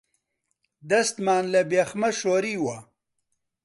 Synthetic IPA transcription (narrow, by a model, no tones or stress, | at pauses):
d̪ɐst̪maːnlabexmaʃoːɾiwa